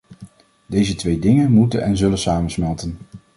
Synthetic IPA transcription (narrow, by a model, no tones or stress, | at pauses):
dejzətʋejdɪŋənmutənʔɛnzɵlənsaːmənsmɛlˠtən